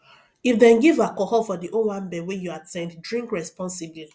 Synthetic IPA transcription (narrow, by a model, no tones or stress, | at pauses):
ifdɛ̃nɡivakɔhɔfɔdiʔowãmbɛwɛ̃juatɛ̃nddɹĩŋkɹɛspɔ̃nsibli